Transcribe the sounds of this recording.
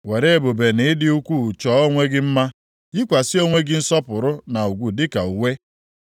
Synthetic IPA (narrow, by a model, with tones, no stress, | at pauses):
we˨ɾe˦e˦bo˨be˨nɪ˨˦dɪ˦u˦kʷu˦˨t͡ʃɔː˨˦o˦ŋʷe˦ɡɪ˦m̩˦ma˦ | i˦kʷa˨sɪ˦o˦ŋʷe˦ɡɪ˦n̩˦sɔ˦pʊ˨ɾʊ˦na˨u˨ɡʷu˨dɪ˦ka˨u˨we˦